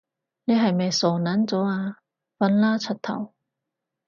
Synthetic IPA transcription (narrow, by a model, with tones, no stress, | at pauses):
ne˨˧ɦɐ˨˩jme˨jsoː˨˩naː˨˥nt͡sɔː˨˥aː˧ | fɐ˨˧˥nlaː˥t͡sʰɐ˨˩t̚t̪ʰɐ̰˨˩w